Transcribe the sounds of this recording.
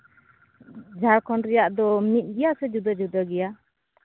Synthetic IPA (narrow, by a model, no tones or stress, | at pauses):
d͡ʒʱaɽkʰɔnɾɛjaʔd̪ɔmit̪̚ˀɡɛjaʔsɛd͡ʒud̪ad͡ʒud̪aɡɛja